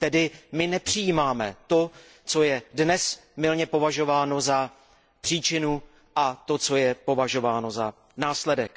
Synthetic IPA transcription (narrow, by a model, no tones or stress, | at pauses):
t̪ɛdɪmɪnɛpr̝̥ɪjiːmaːmɛt̪o̞ | t͡so̞jɛdnɛsmɪlɲɛpo̞vaʒo̞vaːno̞za | pr̝̥iːt͡ʃɪnu | ʔat̪o̞t͡so̞jɛpo̞vaʒo̞vaːno̞za | naːslɛdɛk